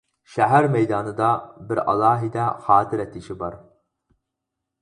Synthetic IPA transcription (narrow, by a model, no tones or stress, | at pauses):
ʃæɦæɾmɛjd̪ɑːnɨd̪ɑbɪɾɑ̰lˠɑːɦid̪ɛχɑːt̪ʰɪɾɛt̪ʰɪʃɪbɑɾ